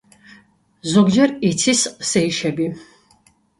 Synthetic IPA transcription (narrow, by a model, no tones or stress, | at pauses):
zɔɡd͡ʒɛɾit̪sʰissɛiʃɛbi